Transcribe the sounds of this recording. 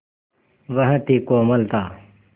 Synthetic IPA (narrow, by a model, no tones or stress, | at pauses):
ʋɐɦə̃t̪iːkoːmɐlt̪aː